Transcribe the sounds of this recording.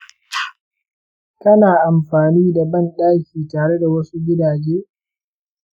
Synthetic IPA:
kɐ˦naː˨ʔa˨mɸaː˨niː˦da˨bɐ˦nɗaː˦kʲiː˨taː˨ɽe˦da˨wɐ˦su˦ɡʲɪ˦daː˨d͡ʒeː˦

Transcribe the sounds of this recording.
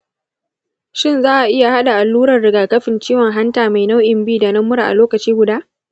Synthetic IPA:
ʃɪ˦˨nzaː˦ʔa˨ʔɪ˦ja˨ha˦ɗa˨ʔa˨lːuː˦ɾɐ˨rɽɪ˨˦ɡaː˨kɐ˦ɸɪ˨nt͡ʃiː˦wɔ˨ŋɦa˦ntaː˨ma˨jna˦wʔɪ˨mbiː˦˨da˨nɐ˦mːʊ˦ɾa˨ʔa̰˨loː˦kɐ˨t͡ʃiː˦ɡʷʊ˨daː˦ʔ

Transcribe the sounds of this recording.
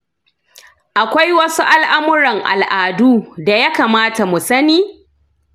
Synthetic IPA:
ʔa˨kʷa˦jwɐ˦su˦ʔa˦lʔa˦mʊ˦ɾɐ˨ŋʔa̰˨lʔaː˨duː˦da˨ja˦kaː˨maː˦ta˨mu˨sɐ˦niː˦

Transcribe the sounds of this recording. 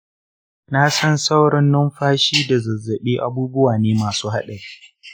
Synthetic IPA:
na˦sɐ˦nsɐ˦wɽɪ˦nːʊ˦mɸaː˦ʃiː˦da˨zɐ˨zːɐ˨ɓiː˦ʔa̰˦buː˦bʊ˦waː˨neː˦maː˨suː˦ɦa˦ɗɐ˨i˦

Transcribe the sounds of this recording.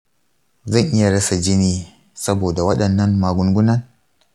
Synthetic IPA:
zɐ˦˨ŋʔɪ˦ja˨ɽɐ˦sa˨d͡ʒɪ˦niː˨ | sɐ˦boː˨da˨wɐ˦ɗɐ˨nːɐ˦mmaː˨ɡʷʊ˦ŋɡʷʊ˦nɐ˦n

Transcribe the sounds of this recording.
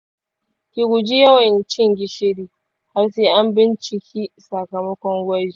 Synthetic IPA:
kʲi˨ɡʷʊ˨d͡ʒi˦jɐ˦wɐ˨nt͡ʃɪ˦ŋɡʲɪ˦ʃe˦ɽiː˦ | ha˦rseː˦ʔa˦mbɪ˦nt͡ʃɪ˨kʲiː˦sɐ˨kɐ˨mɐ˦kʷɔ˦ŋɡʷɐ˦d͡ʒi˨˦˨

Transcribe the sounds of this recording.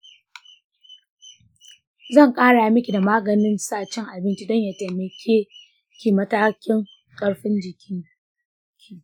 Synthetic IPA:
zɐ˦˨ŋkʼaː˦ɽa˨a˨mɪ˦kʲi˨da˨maː˦ɡɐ˨nɪ˦nsaː˦˨t͡ʃɪ˦ŋʔa˨bɪ˦nt͡ʃi˦dɔ˦ɲja˨teː˨mɐ˨kʲʰeː˦ | kʲi˨mɐ˦taː˦kʲɪ˦ŋ | kʼɐ˦ɽɸɪ˦nd͡ʒɪ˨kʲʰɪ˦ | kʲʰiː˦

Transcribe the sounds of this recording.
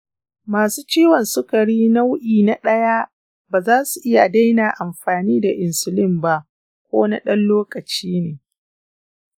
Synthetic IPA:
maː˨suː˦t͡ʃiː˦wɔ˨nsʊ˦kɐ˨ɽiː˦na˦wʔiː˨na˨ɗɐ˦ja˦ | baː˨zaː˦su˨ʔɪ˦ja˨da˦jna˨ʔa˨mɸaː˨niː˦da˨ʔɪ˨nsʊ˨lɪ˦mba˦ʔ | kʷo̰ː˦na˦ɗɐ˦nloː˦kʼɐ˨t͡ʃiː˦neː˨

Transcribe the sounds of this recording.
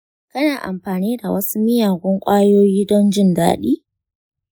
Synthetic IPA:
kɐ˦naː˨ʔa̰˨mɸaː˨niː˦da˨wɐ˦su˦mɪ˦jaː˨ɡʷɔ˦ŋkʷʼaː˦joː˦jiː˦dɔ˦nd͡ʒɪ˦nda̰ː˦ɗḭː˦

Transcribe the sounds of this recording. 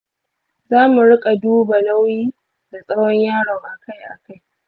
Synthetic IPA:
zaː˦mu˨ɽɪ˦kʼa˨duː˦ba˨la˦wjiː˦ | da˨sʼɐ˦ɽɔ˦ɲjaː˦ɽɔ˨ʔa˨ka˦jʔa̰˨ka˦j

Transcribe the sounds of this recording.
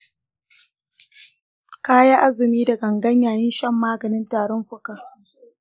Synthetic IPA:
kaː˦ja˦ʔa˦zɪ˨miː˦da˨ɡɐ˨ŋɡɐ˦ɲjaː˨jɪ˦nʃɐ˦mːaː˦ɡɐ˨nɪ˦ntaː˨ɾɔ˦mɸʊ˦kaː˨

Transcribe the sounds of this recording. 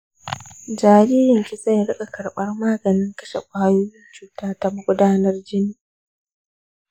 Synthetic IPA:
d͡ʒaː˨ɾiː˦jɪ˨ŋkʲi˨za˦˨jɽɪ˦kʼa˨kɐ˨ɽɓɐ˦rmaː˦ɡɐ˨nɪ˦ŋkɐ˦ʃḛ˨kʷaː˦juː˦t͡ʃuː˨taː˦tɐ˦m˦ɡʷʊ˦daː˦nɐ˦rd͡ʒɪ˦niː˦˨

